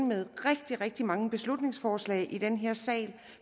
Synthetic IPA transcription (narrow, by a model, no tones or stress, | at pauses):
nmeð̞ˠʁɛɡ̥̚d̥iʁeɡ̥̚d̥imɑ̈ŋəb̥e̝slud̥ne̝ŋsfɒːslɛ̰ːɪʔid̥enɦeɐ̰sɛ̰ːl